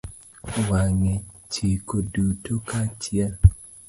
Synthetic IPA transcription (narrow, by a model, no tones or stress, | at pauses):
waŋe | t͡ʃikodutokat͡ʃja